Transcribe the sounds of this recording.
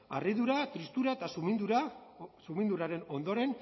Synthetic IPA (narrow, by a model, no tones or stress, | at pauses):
a̰riðuɾat̪ɾist̪uɾaet̪asumind̪uɾasumind̪uɾaɾe̞no̞nd̪o̞ɾe̞n